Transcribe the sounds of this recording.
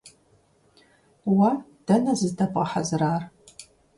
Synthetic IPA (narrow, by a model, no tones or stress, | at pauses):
wad̥ɐnɐzɨzdʰɐpʼɐħa̰zraːr